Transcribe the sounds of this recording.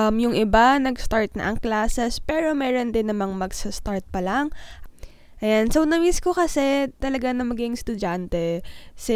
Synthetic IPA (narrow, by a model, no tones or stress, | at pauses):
ʔɐmjʊŋʔɪbanɐɡst̪aɹt̪̚nɐ̰ʔɐŋklaːsɛspɛːɹo̞mɛːɾo̞nd̪ɪnːɐmɐŋmɐɡsɐst̪aɹt̪̚pɐlaŋʔ | ʔɐjansownɐmiskokɐsɛt̪ɐlɐɡanɐmɐɡɪŋst̪ʊd͡ʒant̪ɛsɛ